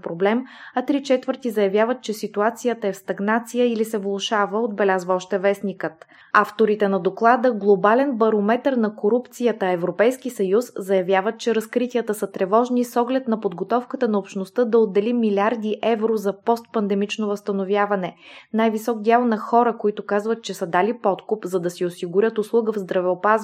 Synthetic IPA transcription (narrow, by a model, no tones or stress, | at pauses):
pɾoblɛmɐt̪ɾit͡ʃɛt̪vəɾt̪izɐjɐvjavət̪̚t͡ʃɛsit̪uat̪sijət̪əɛfst̪ɐɡnat̪sijəilisɛvlˠoʃavəod̪bɛlʲazvəɔʃt̪ɛvɛsnikət̪ | aft̪oɾit̪ɛnɐd̪oklˠad̪əɡlˠobalɛnbɐɾomɛt̪əɾnɐkoɾupt̪sijət̪əɛvɾopɛjskisɐjuszɐjɐvʲjavət̪̚t͡ʃɛɾɐskɾit̪ʲiət̪əsət̪ɾɛvɔʒnisɔɡlɛt̪nɐpod̪ɡot̪ɔfkət̪ənɐopʃnost̪əd̪ɐod̪ːɛlimːilʲaɾd̪iʔɛvɾozɐpɔst̪̚pɐnd̪ɛmit͡ʃnovəst̪ɐnovʲjavɐnɛnajvisɔɡ̚d̪ʲjalˠnɐxɔɾəkoit̪ʊkazvət̪̚t͡ʃɛsəd̪alipɔt̪kʊpzɐd̪ɐsiosiɡʊɾʲət̪ʊslˠuɡəvzd̪ɾɐvɛopaz